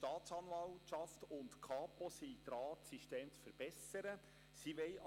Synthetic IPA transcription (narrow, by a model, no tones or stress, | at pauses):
tɑːt̪sɑnʋɑltʃɑftʊntkʰɑːpɔsiːd̪ɾɑːtsiʃteːmt͡sfəɾb̥ɛsəɾə | siʋɛɪ